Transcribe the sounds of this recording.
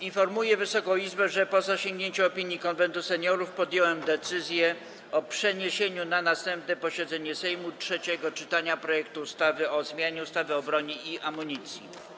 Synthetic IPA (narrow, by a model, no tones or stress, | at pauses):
infɔɾmujɛvɘsɔkɔ̃w̃izbɛʐɛpɔzaɕẽŋɡɲeɲt͡ɕɛɔpʲiɲjikɔnvɛnt̪usɛɲɔɾufpɔd̪jɔwɛmd̪ɛt̪sɘzʲjɛ | ɔpʂɛɲeɕeɲunanast̪ɛmp̚nɛpɔɕɛd̪zɛɲɛsɛjmutʂɛt͡ɕɛɡɔt͡ʂɘt̪aɲapɾɔjɛkt̪uːst̪avɘɔzmʲjaɲɛust̪avɘɔbɾɔɲiiamuɲit̪sʲjḭ